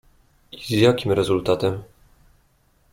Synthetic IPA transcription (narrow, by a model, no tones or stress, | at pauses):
izjakʲimɾɛzult̪at̪ɛm